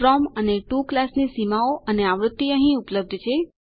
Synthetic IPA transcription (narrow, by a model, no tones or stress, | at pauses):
ɾɔməneʈuklasnisimaoʔəneaʋɾʊt̪ːiəɦĩupləb̚d̪ʱt͡ʃʰe